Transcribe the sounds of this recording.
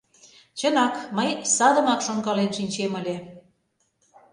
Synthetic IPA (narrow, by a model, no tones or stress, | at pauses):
t͡ɕənɑkməjsɑd̪ə̆mɑkʃoŋɡɑlenʃinʲt͡ɕemə̆lʲe